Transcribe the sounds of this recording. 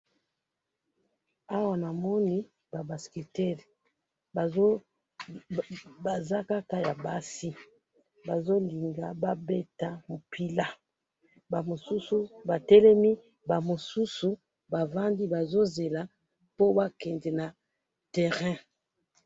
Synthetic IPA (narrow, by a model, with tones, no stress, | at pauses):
a˦wa˨na˨mɔ˦ni˦ | ba˨ba˨ske˨tɛ˦l | b | ba˨za˦ka˦ka˦ja˨ba˦si˦ | ba˨zo˦li˨ŋɡa˨ba˦be˦ta˦mo˨pʰi˦la˦ | ba˨mo˨su˦su˦ba˨tɛ˦lɛ˦mi˦ | ba˨mo˨su˦su˨ | ba˨vã˦ndi˦ba˨zo˦ze˨la˨ | po˦ba˦kɛ˨ndɛ˨na˨ | tɛ˨ʁɛ̃˦